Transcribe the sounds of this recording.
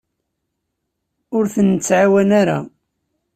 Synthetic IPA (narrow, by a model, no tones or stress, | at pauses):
ʊɾθənt͡sːʕawænaɾa̰